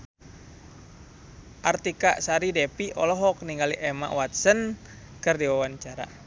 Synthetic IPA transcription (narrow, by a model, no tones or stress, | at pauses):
ʔart̪ikaʔsaɾidɛpiʔɔlɔɦɔk̚niŋɡaliʔɛma̰ʔwat̪̚sən | kɨrdiwawant͡ʃaɾa̰